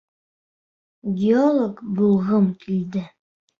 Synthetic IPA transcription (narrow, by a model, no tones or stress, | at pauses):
ɡʲeolˠokbulˠʁɤmkild̪ɘ